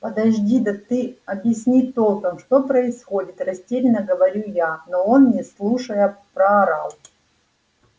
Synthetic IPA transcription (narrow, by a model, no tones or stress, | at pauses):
pəd̪ɐʑdʲid̪ɐt̪ɨɐbʲjɪsʲnʲit̪olˠkəmʂt̪opɾəɪsxo̞dʲɪt̪rɐsʲtʲeɾʲɪnəɡəvɐɾʲujanoonnʲɪslˠuʂəjəpɾɐɐɾalˠ